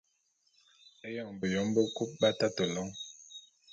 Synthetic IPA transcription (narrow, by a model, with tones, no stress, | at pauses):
ɛ˦jɔ˦˨ŋbə˨jɔ˨˦mbə˦ku˦p̚ba˦ta˦tə˨lɔ˦ŋ